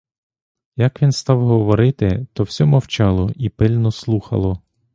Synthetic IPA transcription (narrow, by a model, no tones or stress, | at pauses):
jɐkʋʲinst̪ɑwɦɔʋɔɾɪt̪ɪt̪ɔwsʲɔmɐwt͡ʃɑlˠɔʔipɪlʲnɔslˠuxɐ̰lˠɔ